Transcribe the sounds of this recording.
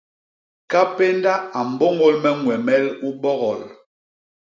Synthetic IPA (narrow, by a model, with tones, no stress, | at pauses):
ka˦pe˦n˦da˦a˨m̩˨bo˦ŋo˦lmɛ˦ŋwɛ˨mɛ˦lu˦ɓɔ˦ɣɔ˨l